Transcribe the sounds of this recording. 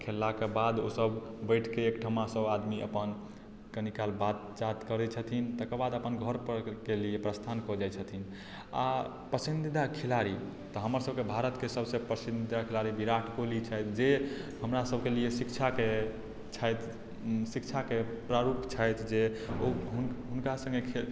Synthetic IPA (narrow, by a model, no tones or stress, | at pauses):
kʰelːakebad̪osəbbəɪʈʰkeːkʈʰəmasəbad̪miʔə̰pən | kənikalbat̪t͡ʃat̪kəɾɛt͡ʃʰət̪ʰint̪əkəbad̪əpənɡʱəɾpkeliepɾəst̪ʰankɔd͡ʒajt͡ʃʰət̪ʰin | a̰ | pəsind̪id̪ʱakʰilaɾi | t̪ɔɦəməɾsəbʱkebʱaɾət̪kesəbʱsẽpɾəsind̪id̪akʰilaɾibiɾaʈʰkolit͡ʃʰajt̪ʰd͡ʒeɦəmɾasəbkeliesikt͡ʃʰake | t͡ʃʰajt̪ʰ | sikt͡ʃʰakepɾaɾupt͡ʃʰəjt̪ʰd͡ʒeoɦunɦunkasə̃ŋɡekʰe